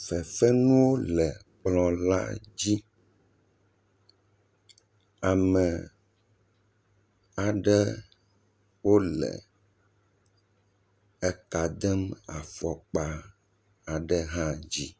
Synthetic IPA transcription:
fɛ˨fɛ˦nũ˦wo˦lɛ˨k͡plɔ̃˨la̰˦d͡ʑi˦ | a˨mɛ˨ | a˨ɖɛ˦ | wo˦lɛ̰˨ | ɛ˨ka˨d̪ɛ˦ma˨fɔ˨k͡pa˦ | a˨ɖə˦ɦã˦d͡ʑi˦

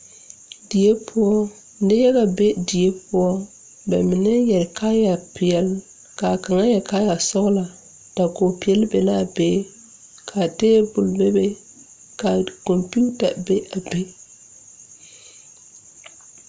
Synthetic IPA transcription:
di˨e˦pʰʊ˦ɔ˦ | n̩˦dɪ˦jɛ˦ɣa˨be˦di˨e˦pʊ˦ɔ˦ | bɛ̰˨mɪ˨nɛ˦jɛ˨ɾka˦ja˨pɪ˨ɛ˨l | ka˨ka˨ŋa˦jɛ˨ka˦ja˨sɔ˦ɣla˨ | d̥a˨ko˨pi˨ɛ˦lbɛ˨la˦˨be˦ | kʰa˨teː˦bʊ˨lbe˦be˦ | ka˨ko˨mpu˦ta˨be˦ʔa˨be˦

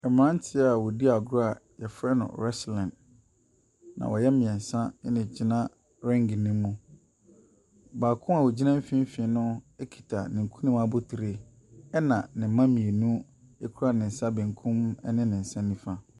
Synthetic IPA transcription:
ɛ˨m̃˨ã˦n˦tʰɪ˦a˨wɔ˨di˦a˨ɡa˨jɛ˨fɾɛ˦nʊ̰̃˨ɾɛ˦slɛ̃˨n | nã̰˨wɔ˨jɛ˦mɪ̃˨ɛ̃˨n˨sã˦nɪ̃˨d͡ʑi˦nã˦ | ɾɛ̃˦ŋɡnĩ˦mũ˨ | baː˨kʰʊ̃˦a˨wo˨d͡ʑi˦nã˦m̩˦fɪ̃˦m̩˦fɪ̃˨˦nʊ̃˦ɛ˦kʰi̥˨tʰa˨nɪ̃˨ŋ̩˨kʰũ˦nĩ˦ma˨bʊ˦tʰi˨ɾe˦ | ɛ˦nã˨nɪ̃˨˦mã˦mĩ˨e˨nũ˦ | ɛ˦kʰu˦ɾa˦˨nɪ̃˨n̩˨sa˦bɪ̃˨ŋ˨kʰʊ̃˦mɛ˦nɪ̃˦nɪ̃˨n̩˨sã˦nĩ˦fa˦

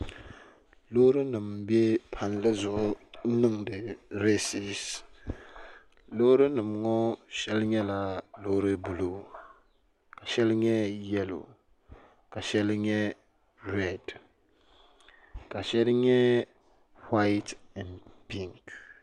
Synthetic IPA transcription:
lo˦ɾɨ˦nɨ˨mbɛ˦pʰa˨nlɨ˦zʊ˨ʔʊ˦nɨ˦ŋdɨ˨ɾe˦si˨s | lo˦ɾɨ˦nɨ˨mŋɔ˦ʃɛ˦lɲɛ˦la˦lo˦ɾɨ˦bu˨lo˦ | ka˨ʃɛ˦lɲɛ˦jɛ˦lo̰˨ | ka˨ʃɛ˦lɲɛ˦ | ɾɛ˦˨d | ka˨ʃɛ˦lɲɛ˦ | ha˦ɪ˦ta˨npi˦ŋk

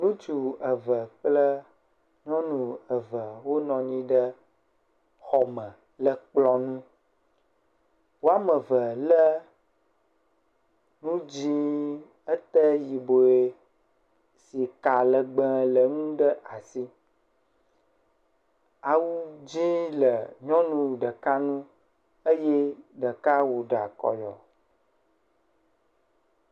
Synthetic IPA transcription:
nũ˦t͡ʃu˨ə˨və˨k͡plə˦ | ɲɔ̃˦nũ˨ə˨və˨wo˦nɔ̃˨ɲĩ˦ɖə˦ | xɔ˨mə̃˨ | lə˦k͡plɔ˦nũ˦ | wo˦a˦mə˨və˨lə˦ | nũ˦d͡ʑĩ˦ | ə˦t̪ə˦ji˨bo˨e˨ | si˨ka˨lə˨ɡ͡bə̃˦lə˨ŋũ˦ɖə˦a˨si˦ | a˨wu˦d͡ʑi˦lə˨ɲɔ̃˦nũ˦ɖə˨ka˦nũ˦ | ə˦je˦ɖə˨ka˦wu˨ɖa̰˨kɔ̰˨jɔ̰˨

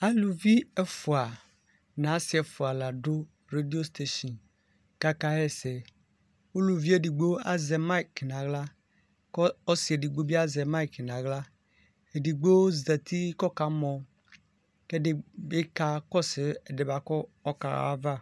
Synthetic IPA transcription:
a˦lu˨vi˦ɛ˦fu˨a˨ | nã˨˦si˨˦ɛ˨fu˨a˨la˨ɖo˦ | ɾe˦di˦o˦st̪e˦ʃɔ˨n | ka˦ka˦ɛ˦se˨ | wo˦lu˨vi˦e˦˨di˨ɡ͡bo˦a̰˦zɛ˨ma˦i˨knã˨ɣla˦ | ɔ˦si˨e˨di˨ɡ͡bo˦bi˦a˦zɛ˨ma˦i˨kn˨ã˨ɣla˦ | e˨di˨ɡ͡bo˦o˦zɛ˨t̪ʰi˦kɔ˦ka˨mɔ̃˨˦ | ke˦de˦be˦ka˦kɔ˦se˨e˨de˨ba˨kɔ˦ɔ˦ka̰˨a̰˨˦a˦va˦˨

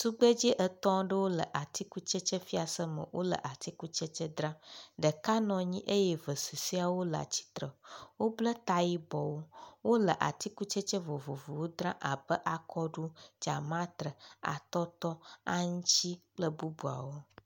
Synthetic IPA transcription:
t̪u˦ɡ͡bə˦d͡ʑi˦ʔə˨t̪ɔ̃˦ɖə˦wo˦lə˨ʔa˨t̪i˦ku˦t͡ʃə˦t͡ʃə˦fi˦a˨sə˦mə̰̃˨wʔo̰˦lə̰˨ʔa˨t̪i˦ku˦t͡ʃə˦t͡ʃə˦d̪ɾã˦ɖə˨ka˦nɔ̃˨ɲĩ˦ʔe˦jɛ˦və˨su˨si˦a˨wo˦lə˨a̰˨t͡ɕi̥˦t̪ɾə˨wo˦blə˦t̪a˨ji˦bɔ˨wo˦wo˦lə˨ʔa̰˨t̪i˦ku˦t͡ʃə˦t͡ʃə˦vo˨vo˨vo˨wo˦d̪ɾã˦ʔa˨bə˦ʔa˨kʰɔ˦ɖu˦d͡ʒa̰˨mã˦t̪ɾə˨a̰˨t̪ɔ˦t̪ɔ˦a̰˦ŋũ˦t͡ɕi˦k͡plə˦bu˦bu˨a̰˨wo˦

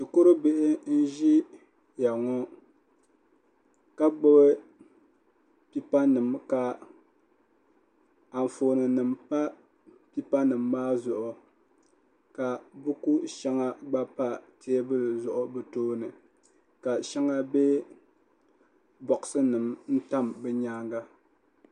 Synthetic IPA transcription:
dɨ˨ko˦ɾɨ˦be˦ʔɪ˦n̩˦ʒi˦ | ja˨ŋɔ˦ | ka˦ɡ͡bʊ˦bɨ˦ | pi˦pa˦nɨ˨mka˨ | a˨n˨foː˨nɨ˨nɨ˨mpa˦ | pi˦pa˦nɨ˨mːaː˦zʊ˨ʔʊ˨ | ka˨bu˦ku˦ʃɛ˦ŋa˦ɡ͡ba˦pa˦te˦bɨ˦lzʊ˨ʔʊ˨bɨ˦toː˦nɨ˨ | ka˨ʃɛ˦ŋa˦be˦ | bɔ˨ʔsɨ˦nɨ˨mn̩˦ta˦mbɛ˦ɲaː˦ŋɡa˦

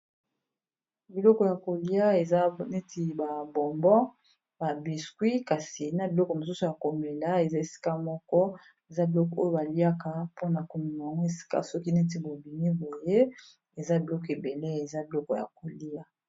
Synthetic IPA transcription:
bi˨lɔ˦kɔ˨ja˨ko˨li˦a˦e˨za˦ne˦ti˨ba˨bɔ˨mbɔ˦ | ba˨bi˨skwi˦ka˨si˨na˨bi˨lɔ˦kɔ˨mo˨su˦su˨ja˨ko˨me˨la˦e˨za˦e˨si̥˦ka˦mɔ˦kɔ˦ | e˨za˦bi˨lɔ˦kɔ˨o˦jo˦ba˨li˦a˦ka˦˨po˦na˨ko˨mi˨n˨a˨ŋɡo˦e˨si̥˦ka̰˦sɔ˦ki˦ne˦t̬i˨bo˨bi˨ni˦bo˨je˦ | e˨za˦bi˨lɔ˦ke˨be˨le˦e˨za˦bi˨lɔ˦kɔ˨ja̰˨ko˨li˦a˦

